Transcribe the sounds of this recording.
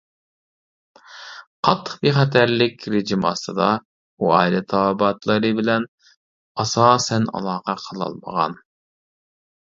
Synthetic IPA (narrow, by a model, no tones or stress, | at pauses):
qʰɑt̪ʰːə̥qbiχɛt̪ʰæɾlɪkʲɾɪd͡ʒimɑ̰st̪ʰɨd̪ɑ | uɑ̰ːilɛt̪ʰɑːbɑt̪lˠɨɾɨbɪlɛn | ɑsɑːsɛnɑ̰lˠɑːqɑqʰəlˠɑ̰lˠmə̰ʁɑ̰n